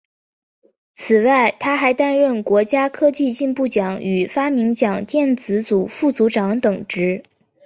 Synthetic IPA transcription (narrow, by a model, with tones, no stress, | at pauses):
t͡sʰɹ̩˨˩wa˥˩ɪt̪ʰa˥xa˧˥ɪt̪a˥nɻə˥˩nkwɔ˧˥t͡ɕja˥kʰɤ˥t͡ɕi˥˧t͡ɕi˥˧npu˥˩t͡ɕjɑ˨˩˦ŋy˨˩fa˥mi˧˥ŋt͡ɕjɑ˨˩ŋt̪jɛ˥˩nt͡sɹ̩˧˥t͡su˨˩fu˥˩t͡su˧˥ʈ͡ʂɑ˧˥ŋt̪ɤ˨˩ŋʈ͡ʂɻ̩˧˥